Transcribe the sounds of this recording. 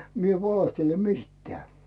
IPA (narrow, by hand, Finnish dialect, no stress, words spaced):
mi eʋ ʋɑlehtele mis̆tːĕæˑ